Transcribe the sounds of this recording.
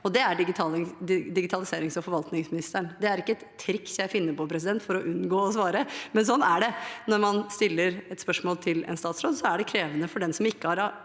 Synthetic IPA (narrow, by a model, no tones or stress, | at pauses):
ɔd̪ɛæɖɪɡɪt̪ʰɑːlɪd̪ɪɡɪt̪ʰɑlɪseːɾɪŋsɔfɔɾʋɑlt̪nɪŋsmɪnɪst̪əɳd̪ɛæɾɪkːəɛt̪t̪ʰːɾɪksjæɪfɪnːəɾpɔpʰɾɛs̬ɪd̪ɛnt̪fɔɾɔʔʉnɡoːɔsʋɑːɾəmɛnsɔnːæɖɛnɔɾmɑnst̪ɪlːəɾɛt̪spœʂmoːlt̪ʰɪlɛ̰nst̪ɑːt̪sɾoːd̪sɔæɖɛkʰɾeːʋənəfɔɖɛnsɔmɪkːəhɑɾɑ